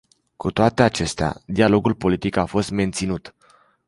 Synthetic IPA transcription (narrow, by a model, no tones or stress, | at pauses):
kut̪oat̪e̞at͡ʃe̞st̪ea̰d̪ialo̞ɡulpo̞lit̪ikafo̞st̪me̞nt̪sinut̪